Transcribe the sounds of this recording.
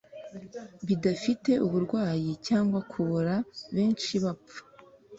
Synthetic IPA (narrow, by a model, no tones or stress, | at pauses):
βidafite̞ʔuβuɾɡwaːjicaːŋɡwakʰuβoɾaβe̞ːnt͡ʃiβapp͡fu̥